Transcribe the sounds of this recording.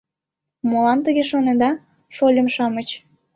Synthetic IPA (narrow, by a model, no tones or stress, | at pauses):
molɑnt̪əɣeʃoned̪ɑ | ʃolʲəmʃɑmət͡ɕ